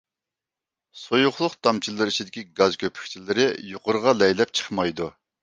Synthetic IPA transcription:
sojʊχlˠʊqt̪ʰɑmt͡ʃʰilˠɨɾit͡ʃʰid̪ɪkʲiɡɑzkʲʰøpʰy̥kʲt͡ʃʰilɪɾɪjoqʊɾʁɑlɛjlɛp̚t͡ʃʰə̥χmɑjd̪u

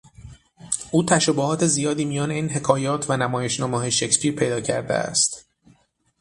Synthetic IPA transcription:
ʔuːt̪ʰæʃobohɒːt̪ʰe̞zijɒːd̪iːmijɒːne̞iːnɦe̞kʰɒːjɒːt̪ʰvænæmɒːje̞ʃnɒːmɒːɦeʃe̞cspiːɾpʰe̞jd̪ɒːcʰæɾd̪ḛæ̰st̪

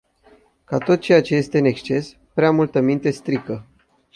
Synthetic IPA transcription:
kat̪o̞t̪̚t͡ʃe̞jat͡ʃe̞je̞st̪e̞ɨne̞kst͡ʃe̞s | pɾeamult̪əmint̪e̞st̪ɾikə

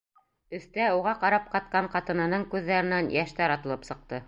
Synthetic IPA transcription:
ɵ̆θt̪æuʁɑqɑɾɑp̚qɑt̪̚qɑɴqɑt̪ɤ̆nɑnɤɴkʉðːæɾɘ̆nænjæʃt̪æɾɑt̪ɤ̆lˠɤpsɤ̆q̚t̪ɤ

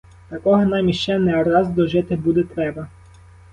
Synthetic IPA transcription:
t̪ɐkɔɦɔnɑjmʲiʃt͡ʃɛnɛɔrɑzd̪ɔʒɪt̪ɪbud̪ɛt̪ɾɛbɐ

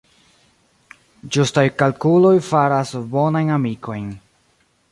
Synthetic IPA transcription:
d͡ʒustajkalkulo̞jfaɾasbo̞najnamikʰo̞jn

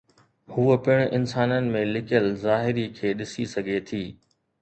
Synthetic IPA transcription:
huːəpɪɽ̃ʔɪnsaːnənɪ̆mẽlɪkjəlzaːɦɪɾikʰeːɗɪsisɐɡʱet̪ʰiː

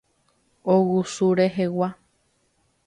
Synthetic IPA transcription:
owusuɾeɦewa

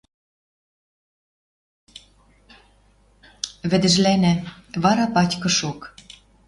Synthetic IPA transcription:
βɘ̆d̪ɘ̆ʒlænæ̆βɑɾɑpɑtʲkɤ̆ʃok

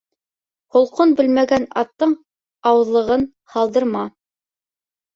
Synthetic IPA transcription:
hŏlˠqonbɘlmæɡænɑt̪ːɤɴ | ɑwɤ̆ðlˠɤ̆ʁɤn | hɑlˠd̪ɤ̆ɾmɑ

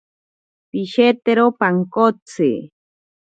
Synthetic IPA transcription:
piʃet̪eɾopaŋkot͡sḛ

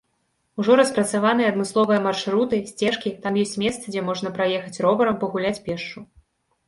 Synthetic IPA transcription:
uʐɔɾɐspɾɐt̪savan̪ɨjɐɐd̪mɨslˠɔvɨjɐmarʂɾut̪ɨsʲt͡sʲɛʂkʲit̪amjɔsʲt͡sʲmʲɛst̪sɐd͡zʲɛmɔʐnɐpɾajɛxɐt͡sʲɾɔbɐɾɐmpɐɣulʲat͡sʲpʲɛʂt͡ʂu

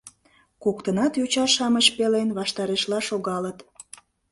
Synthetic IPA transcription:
kokt̪ənɑt̪jut͡ɕɑʃɑməɕpelenβɑʃt̪ɑɾeʃlɑʃoɣɑlət̪

